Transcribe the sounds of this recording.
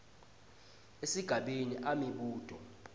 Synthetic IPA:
esiɡ̥ʱaɓiniʔamiɓuːd̥ʱɔ

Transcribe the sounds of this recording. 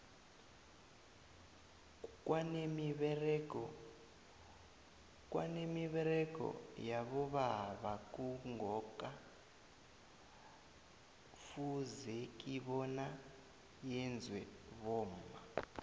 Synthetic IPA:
kʼwanemiβɛrɛkɔ | kʼwanemiβɛɾɛkɔ̰jaβɔβaβakuŋɡʱɔkʼa | fuzekʼiβɔna | jɛnd͡zʱwɛβɔːma

